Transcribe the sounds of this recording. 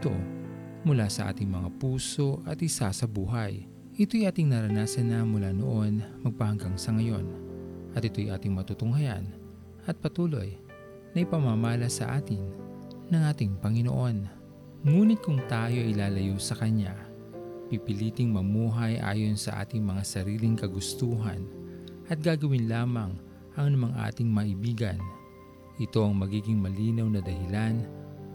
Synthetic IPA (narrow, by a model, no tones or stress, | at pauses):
t̪o̞̰ | mʊlasɐʔa̰ːt̪ɪŋmɐŋa̰puːso̞ʔɐt̪ʔɪsasɐbuːɦɐj | ʔɪt̪o̞jʔaːt̪ɪiŋnɐɾɐnaːsɐnɐmʊlaːno̞̰ʔo̞nmɐɡ̚pɐhɐŋɡaŋsɐŋɐjo̞̰nʔɐt̪ɪt̪o̞jʔaːt̪ɪŋmɐt̪ut̪ʊŋhɐja̰n | ʔɐt̪̚pɐt̪uːlo̞̰j | nɐʔɪpɐmamaːlɐsɐ̰ʔa̰ːt̪ɪn | nɐŋʔaːt̪ɪŋpɐŋɪno̰ʔo̞n | ŋuːnɪt̪̚kʊŋt̪aːjo̞ʔɪlaːlɐjosɐkɐɲa | pipɪliːt̪ɪŋmɐmuːɦɐjʔa̰ːjo̞nsɐ̰ʔa̰ːt̪ɪŋmɐŋasɐɾiːlɪŋkɐɡʊst̪uːɦɐ̰nʔɐt̪̚ɡaːɡɐwɪnlaːmɐŋ | ʔɐŋnɐmaŋʔa̰ːt̪ɪŋmɐʔɪbiːɡɐn | ʔɪt̪o̞ʔɐŋmɐɡiːɡɪŋmɐliːnɐwnɐd̪ɐhɪlan